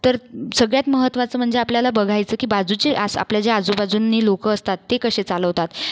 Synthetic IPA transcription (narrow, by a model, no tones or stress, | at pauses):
t̪əɾsəɡɭjat̪məɦət̪ːʋat͡səːm̤əɳd͡zeapljalabəɡʱajt͡səːkiːbad͡zut͡ɕeʔasa̰pljad͡ʑead͡zubad͡zunːiːlokəəst̪at̪ːekəɕet͡saləʋt̪at̪